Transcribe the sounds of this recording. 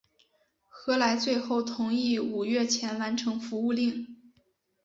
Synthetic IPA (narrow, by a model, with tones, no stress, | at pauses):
xɤ˧˥la˧˥ɪt͡swe˥˧ɪxo˥˩ʊt̪ʰʊ˧˥ŋi˥˩u˨˩ɥɛ˥˩t͡ɕʰjɛ˧˥nwa˧˥nʈ͡ʂʰɤ˧˥ŋfu˧˥u˥˧li˥˩ŋ